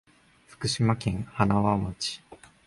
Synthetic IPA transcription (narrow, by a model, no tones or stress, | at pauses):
ɸɯ̥kɯ̟ɕimakẽ̞ŋanaβamot͡ɕi̥